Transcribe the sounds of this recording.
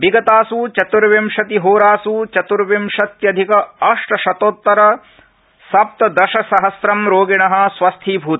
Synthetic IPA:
biɡɐt̪aːsut͡ʃɐt̪uɾʋɐmʃɐt̪iɦoːɾaːsut͡ʃɐt̪uɾʋɐmʃɐt̪jɐd̪ʱikɐɐʂʈɐʃɐt̪oːt̪ːɐɾɐ | sɐp̚t̪ɐd̪ɐʃɐsɐɦɐsɾɐmɾoːɡiɳɐɦɐ̆sʋɐst̪ʰiːbʱuːt̪

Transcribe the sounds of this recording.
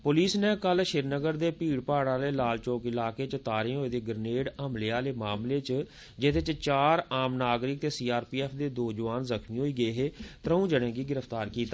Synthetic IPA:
pʊliːsneːkəlʃɪɾnəɡəɾd̪eːpiːɽpaːɽãːleːlaːlt͡ʃoːkɪlaːkeːt͡ʃət̪aːɾeːɦoːeːd̪eːɡəɾneːɽəmlejaːleːmaːmleːt͡ʃ | d͡ʒɪt̪et͡ʃt͡ʃaːɾaːmnaːɡɾɪk̚t̪eːsiːaːɾpiːɛːpʰd̪eːd̪oːd͡ʒəʋaːnzəkʰmiːɦoːiːɡəeːɦeːt̪əɾəũːd͡ʒəɽẽːɡiːɡɪɾəfʰt̪aːɾkiːt̪aː

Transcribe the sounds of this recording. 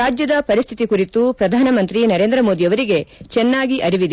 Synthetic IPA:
aːd͡ʒjɐd̪ɐpɐɾist̪ʰit̪ikuɾit̪upɾɐd̪ʱaːnɐmɐnt̪ɾinɐɾeːnd̪ɾɐmo̞ːd̪ijɐʋɐɾiɡe̞t͡ʃɛnːaːɡiʔɐɾiʋid̪e

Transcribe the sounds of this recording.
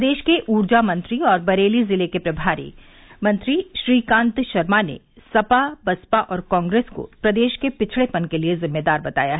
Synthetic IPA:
d̪eːʃkeʔuːɾd͡ʒamɐ̃nt̪ɾiɔːɾbɐɾeːlizɪlekepɾɐbʱaːɾḭ | mɐ̃nt̪ɾiʃɾiːkãːnt̪ʃɐɾmanḛ | sɐpabɐspaʔɔːɾkɔ̃ːŋɡɾeːsko̰pɾɐd̪eːʃkepɪt͡ʃʰɭepɐnkeliezɪmːed̪aːɾbɐt̪a̰ːjaɦɛ

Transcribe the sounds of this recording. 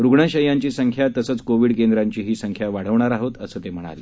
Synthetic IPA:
ɾuɡɳəɕəjaɲt͡ɕiːsəŋkʰjat̪əsəːt͡skoʋiːɽkend̪ɾaɲt͡ɕiːɦiːsəŋkʰjaʋaɽ̤əʋɳaɾaɦot̪əsəːt̪em̤əɽ̃a̰le

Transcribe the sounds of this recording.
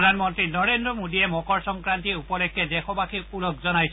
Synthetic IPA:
dʱanmɔnt̪ɹinɔɹendɹɔmodiɛmɔkɔɹsɔmkɹant̪iupɔlekʰːɛdekʰɔbakʰipulɔkzɔnaj

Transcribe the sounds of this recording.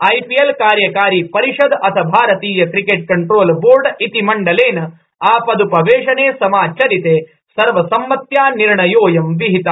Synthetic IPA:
ɐjpiɐlkaːɾjɐkaːɾiːpɐɾiʂɐd̪ɐt̪ʰɐbʱaːɾɐt̪iːjɐkɾikeʈ̚kɐɳʈɾoːlboːɾɖit̪imɐɳɖɐleːnɐ | aːpɐd̪upɐʋeːʂɐneːsɐmaːt͡ʃʰɐɾit̪eː | sɐɾʋɐsɐmːɐt̪jaːniɾɳɐjoːjɐmʋiɦit̪a

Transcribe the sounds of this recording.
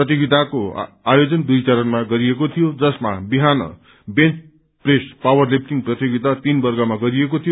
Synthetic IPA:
rʌt̪jiɡit̪ako | ajod͡zʌnd̪ujt͡saɾʌnmaɡʌɾiekot̪ʰijod͡zʌsma̰biɦanʌ̰ | bent͡s | prespawʌrlip̚ʈiŋɡprʌt̪jiɡit̪at̪inbʌrɡʌmaɡʌɾiekot̪ʰijo

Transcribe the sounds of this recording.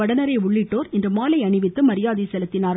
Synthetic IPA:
ɐɽɐnɐɾɐɪʊɭːɪʈːoːɾɪndrɯmaːlɐɪɐɳɪʋɪt̪ːɯmɐɾɪjaːðisɛlɯt̪ːɪnaːɾ

